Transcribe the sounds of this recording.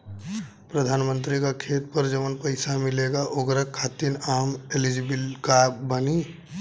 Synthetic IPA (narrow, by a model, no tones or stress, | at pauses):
pɾəd̪ʱaːnmə̃nt̪ɾikakʰeːt̪̚pəɾd͡ʒəmənpəɪsamɪleɡaʔoɡɾəkʰːat̪inaːmelid͡ʒibilkabəni